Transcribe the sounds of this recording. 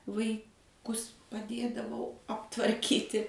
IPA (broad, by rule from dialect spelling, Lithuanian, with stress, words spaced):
ʋɐɪˈkʊs pɐˈdʲeːdɐʋɐʊ ɐptʋɐrʲˈkʲiːtʲɪ